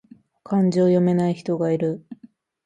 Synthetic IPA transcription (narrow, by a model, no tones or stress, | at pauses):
kʰãɲ̟d͡ʑiojo̞me̞naiçi̥t̪o̞ɡaiɾɯ̟